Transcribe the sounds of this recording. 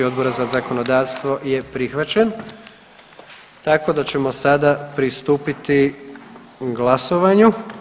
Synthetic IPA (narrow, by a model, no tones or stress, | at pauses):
io̞d̪bo̞ɾazazako̞no̞d̪aːʋst̪ʋo̞je̞pɾixʋat͡ɕen | t̪ako̞d̪at͡ɕe̞mo̞sad̪apɾist̪uːpit̪i | ɡlˠaso̞ʋaɲu